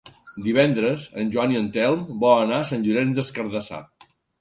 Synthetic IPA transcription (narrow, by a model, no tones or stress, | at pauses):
d̪iβɛnd̪ɾəzə̰nʲʒwɔniənt̪ɛlˠmbɔənaəsanʲʒuɾɛmd̪əskəɾðəsa̰